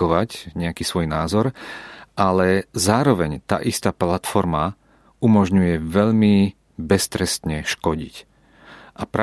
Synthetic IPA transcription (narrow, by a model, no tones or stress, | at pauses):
ɔʋacɲɛakiːsʋɔjnaːzɔɾʔalɛzaːɾɔʋɛɲt̪a̰ːʔist̪aːplat̪fɔɾma | umɔʒɲujɛʋɛʎmi | bɛst̪ɾɛst̪ɲɛʃkɔɟḭc | ʔapɾa